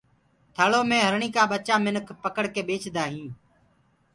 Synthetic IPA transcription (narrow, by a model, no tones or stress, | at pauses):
t̪ʰəːɭoːmẽːɦəɾɳĩːkaːɓət͡ʃaːmɪnkʰpəkəɽkeːɓeːt͡ʃʰd̪aːɦĩː